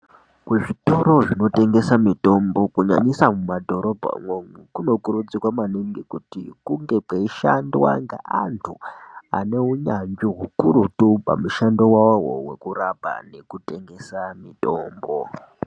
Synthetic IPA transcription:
kweʐitoɾo̞ʐino̞te̞ŋɡe̞samito̞mbo̞kuɲa̰ɲisamumadʱo̞ɾo̞bʱa̰mweŋukuno̞kuɾud͡zikwamaniŋɡikutikuŋɡe̞ǃeiʃandwa̰ŋɡa̰antʰua̰ne̞uɲand͡ʒiɦukuɾutupa̰muʃando̞wawowo̰we̞̰kurabʱa̰ne̞kute̞ŋɡe̞samito̞ːmbo

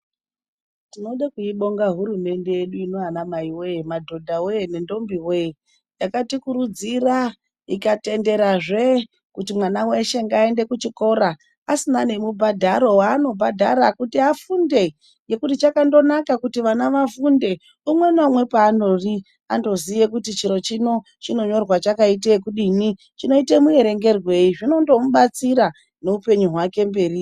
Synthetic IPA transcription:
tino̞ɗakuiɓo̞ŋɡaɦuɾume̞nde̞jeɗuino̞anamaiwejemadʱo̞dʱaojenendo̞mbiwej | jakatikuɾud͡zira | ikate̞nde̞ɾaʐe̞ | kutimwanaweʃe̞ŋɡaende̞kut͡ʃiko̞ɾaː | sinane̞mubʱadʱaɾo̞waːno̞bʱadʱaɾakutiafunde̞ | je̞kutit͡ʃakando̞nakakutiʋanaʋafunde̞ | umwe̞namwe̞paːno̞ri | ando̞zije̞kutit͡ʃiɾo̞t͡ʃino̞ | t͡ʃino̞ɲo̞rwat͡ʃakait̬ekuɗini | t͡ʃino̞itemuje̞ɾe̞ŋɡe̞rwe̞iʐino̞ndo̞muɓat͡siɾa | ne̞upe̞ɲuɦwake̞mbe̞ːri

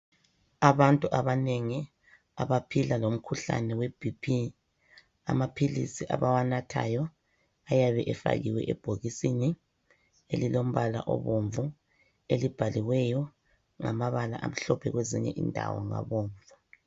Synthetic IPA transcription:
aβantʼuʔaβaneŋi | aβapʰilalom̩kʰuɬa̰nɛweb̥ʱipʰi | a̰mapʰilḭsiʔa̰βawanatʰa̰jɔ | ajaβɛʔɛfa̰ɣiwɛʔɛb̥ʱoɣisini | elilom̩βalaʔɔ̰βoɱvu | elib̥ʱaliwɛjɔ | ŋa̰maβala̰ʔam̩ɬɔpʰɛɣweziɲɛ̰ʔḭndʱa̰wɔ̰ŋa̰βoːɱvu

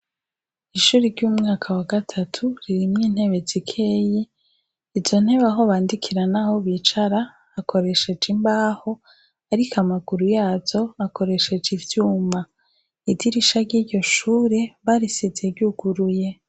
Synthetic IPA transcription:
iʃuːɾiɾɟuːmŋaːkʰawaɡatʰatʰuɾiɾimŋiːn̥he̞βe̞zikʰe̞ːje̞ | iz̥o̞n̥he̞βaɦo̞βaːndikʰiɾanaho̞βit͡ʃaɾaː | kʰo̞ɾe̞ʃe̞d͡ʒimbaːho̞ | aɾikʰamaɡ̥uɾujaːz̥o̞akʰo̞ɾe̞ʃe̞d͡ʒivjuːma | idiɾiʃaɾɟiːɾɟo̞ʃuːɾe̞βaɾisizeɾɟuːɡ̥uɾuje̞

